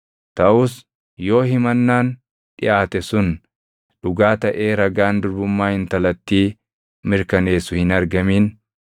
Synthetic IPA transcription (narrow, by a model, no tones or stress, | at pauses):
t̪ɐʔʊːs | jo̞ːhɪmɐnːaːn | ᶑɪ̰ʔaːt̪ɛsʊn | ᶑʊɡaːt̪ɐʔe̞ːɾɐɡaːnd̪ʊɾbʊmːaːhɪnt̪ɐlɐt̪ːiː | mɪɾkɐne̞ːsʊhɪnɐɾɡɐmiːn